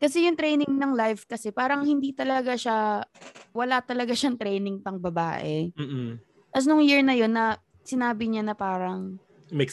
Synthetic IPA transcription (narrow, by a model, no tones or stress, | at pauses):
kɐs̬ɛjʊŋt̪ɾɛjnɪŋnɐŋlajvkɐsɛpaːɾɐŋhɪnd̪iːt̪ɐlɐɡaʃa | wɐlat̪ɐlɐɡaʃaŋt̪ɾɛjnɪŋpɐŋbɐbaːʔɛm̩ː | t̪as̬nʊŋjɪɹnɐjo̞nːɐ | sɪnaːbɪɲanɐpaːɾɐŋ | mɛk